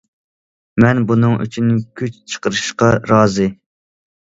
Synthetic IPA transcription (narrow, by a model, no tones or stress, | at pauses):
mɛnbunɨŋy̰t͡ʃʰynːkʲʰyt͡ʃt͡ʃʰə̥qəɾɨʃqɑɾɑːzɨ